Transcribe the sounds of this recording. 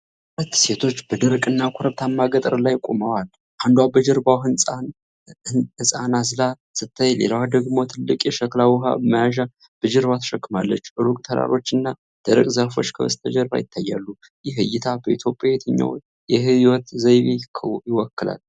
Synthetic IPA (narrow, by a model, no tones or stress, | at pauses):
lət̪ːse̞t̪ʰo̞t͡ʃːbəd̪ɨɾkʼɨnːakʷʰoɾəβt̪ʰamːaɡət̪ʼəɾlajkʼo̰məwal | ʔand̪wabəd͡ʒɛɾbawɦɨnsʼa | ɨsʼanasɨla | sɨt̪ʰːajlḛlawad̪əɡmot̪ʰɨlːɨkʼjɛʃəklawɦa̰məjaʒa | b̥əd͡ʒəɾβat̪ʰə̥ʃəkːɨmalːət͡ʃːʔɨɾukʼt̪ʰəɾa̰ɾo̞t͡ʃːɨnːa | d̪̥əɾəkʼzəhfo̞̰t͡ʃːkʰəwə̰st̪ʰəd͡ʒəɾba̰jɪt̪ʰːajːa̰lːu | jɛɦɨjːɪt̪ʰabəit̪ʰjo̞pʼːjajet̪ʰəɲːa̰w | jɛhɨiwɔt̪zəjβijɪwɔkːɨla̰l